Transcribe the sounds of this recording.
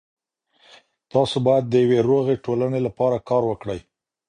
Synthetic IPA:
t̪ɑsobɑjad̪ːəjaweɾoɣeʈolanelapɑɾakɑɾwəkɽəj

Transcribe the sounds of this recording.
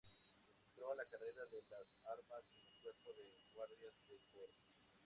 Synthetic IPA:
esut̪ɾolakareɾaðelasaɾmasenuŋkweɾpoðe | ɣwaɾðjasd̪ekweɾ

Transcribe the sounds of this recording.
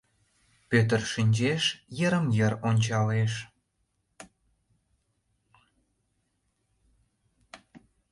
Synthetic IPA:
pøt̪̬ərʃinʲd͡ʑeʃjəɾəmjə̆ɾonʲt͡ɕɑleʃ

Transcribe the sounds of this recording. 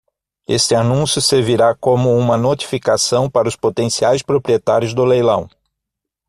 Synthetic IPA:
est̪ɪanũsjʊseɾviɾakõmʊũmɐnot̪i̥fikasɐ̃w̃paɾɐʊspot̪ẽsiajspɾopɾiet̪aɾjʊzd̪ʊlejlɐ̰̃w̃

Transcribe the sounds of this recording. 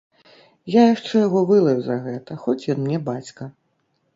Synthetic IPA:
jajaʂt͡ʂɛjaɣɔvɨlˠɐjuzɐɣɛt̪ɐxɔt͡sʲjɔnmnʲɛbat͡sʲkɐ

